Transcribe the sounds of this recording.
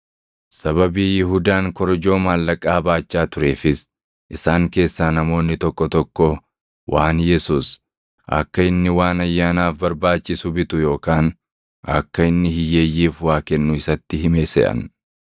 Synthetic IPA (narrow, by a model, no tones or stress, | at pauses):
sɐβɐbiːjɪhʊd̪aːŋkɔɾɔd͡ʒo̞ːmaːlːɐkʼːaːbaːt͡ʃːaːt̪ʊɾe̞ːfɪs | ʔɪsaːŋke̞ːsːaːnɐmo̞ːnːɪt̪ɔkːɔt̪ɔkːɔ | wʔaːnjɛsuːs | ʔɐ̰kːɐɪnːɪwaːnɐjːaːnaːfbɐɾbaːt͡ʃːɪsʊbɪt̪ʊjo̞ːkaːn | ɐ̰kːɐɪnːɪhɪjːeːjːiːfwaːkɛnːʊɪsɐt̪ːɪɦɪmeːsɛ̰ʔɐ̰n